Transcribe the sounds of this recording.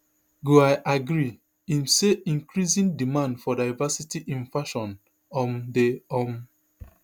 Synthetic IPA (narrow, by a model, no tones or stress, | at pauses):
ɡoaɪʔaɡɹi | ĩnseʔĩŋkɹizĩndimãndfɔdaɪvasitiʔĩnfaʃɔ̃n | ɔ̃mdeɔm